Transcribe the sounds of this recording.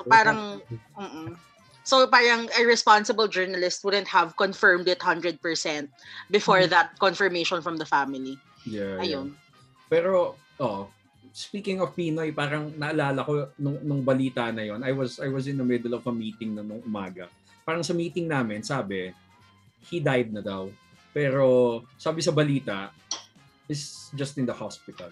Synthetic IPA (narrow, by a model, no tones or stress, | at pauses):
opaːɾɐŋ | m̩ːʔ̩ | sopaːɾɐŋɛɹɛspansɪbɐld͡ʒɛɹnɐlɪst̪̚wʊd̪ɛ̃nt̪̚hɐvkɔ̃nfɛɹmd̪ɪt̪hɐ̃nd̪ɹɛd̪̚pɛɹsɛ̃nt̪̚bɪfɔɹðɐt̪̚kɔnfɛɹmejʃɔ̃nfɹɐmd̪ɐfamɪli | jɛʔɐjon | pɛːɾo | ʔoʔ | spiːkɪŋɔvpiːnojpaːɾɐŋnɐʔɐlaːlɐko̞nʊŋnʊŋbɐliːt̪anɐjo̞nɐjwɐzʔajwɐzɪ̃nd̪ɐmɪd̪ɛlɔvɐmiːt̪ɪŋnɐnʊŋʔʊmaːɡɐ | paːɾɐŋsɐmiːt̪ɪŋnaːmɪnsaːbɛ | hid̪ajd̪̚nɐd̪aw | pɛːɾo̞saːbɪsɐbɐliːt̪ɐʔ | ʔɪsd͡ʒɐst̪ɪnd̪ɐhaspɪt̪ɐ̰l